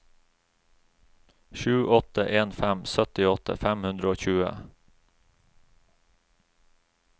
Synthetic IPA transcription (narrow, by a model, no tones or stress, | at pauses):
ʃʉːʔɔt̪əʔeːnfæmsœt̪ɪɔt̪ə̰fæmhʉnd̪ɾəoːçʉːə̰